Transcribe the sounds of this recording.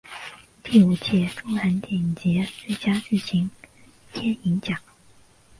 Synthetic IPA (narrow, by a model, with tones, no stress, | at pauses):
t̪i˥˩u˨˩t͡ɕjɛ˥˩ʈ͡ʂʊ˥ŋa˧˥nt̪jɛ˨˩nt͡ɕjɛ˧˥t͡se˥˩t͡ɕja˥ʈ͡ʂɻ̩˥˩t͡ɕʰi˧˥ŋ | t̪ʰjɛ˥ni˧˥nɕjɑ˨˩˦ŋ